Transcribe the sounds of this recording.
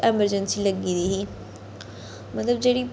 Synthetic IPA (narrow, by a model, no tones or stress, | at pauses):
ɛməɾd͡ʒənsilɐɡid̪iɦi | mɐt̪ləbd͡ʒeːɽi